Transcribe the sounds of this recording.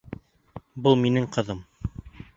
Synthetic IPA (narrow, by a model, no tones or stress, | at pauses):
bɤlˠminɘŋqɤ̆ðɤm